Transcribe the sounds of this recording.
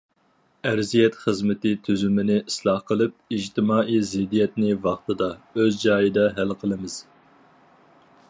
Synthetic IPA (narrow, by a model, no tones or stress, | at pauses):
æɾzijɛt̪χəzmɪt̪ɪt̪ʰyzymɪnɪʔislˠɑhqəlˠɨp̚id͡ʒt̪ʰɪmɑːʔijzɪd̪ijɛt̪nɪvɑχt̪ɨd̪ɑøzd͡ʒɑːjɨd̪ɑɦælqʰəlˠɨmɨz̥